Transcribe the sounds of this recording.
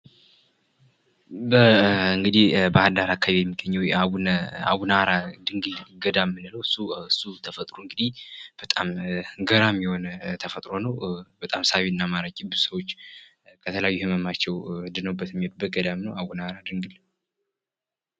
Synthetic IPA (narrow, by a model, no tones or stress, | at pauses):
bəɨŋɡɨd̪ihbəad̪aɾakʰaβijɛmːiɡːəɲːɛwjawuna̰wunaɾad̪ɨŋɡɨlɡəd̪amːɨnɨləwɨsuɨsːut̪ʰəfət̪ʼɾoɨŋɡɨd̪ihb̥ət̪ʼamɡəɾamːiho̞nt̪ʰəfət̪ʼɾo̞nəwbət̪ʼamsawinːamaɾəkʲʼibɨzsəwot͡ʃː | kʰət̪ʰəlajajːuhɨməmat͡ʃːɛwd̪ɨnəwbːət̪jɛmihod̪ubət̪̚ɡəd̪amnəwawunaɾad̪ɨŋɡɨl